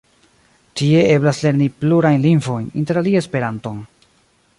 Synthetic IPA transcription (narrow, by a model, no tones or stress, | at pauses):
tie̞e̞blasle̞ɾnipluɾajnlinvo̞jnḭnte̞ɾaliaespe̞ɾanto̞n